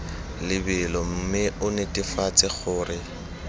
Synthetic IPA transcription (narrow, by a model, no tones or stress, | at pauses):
lɪbɪlɔm̩mɪʊnetʼɪfat͡sʼɪχʊːrɪ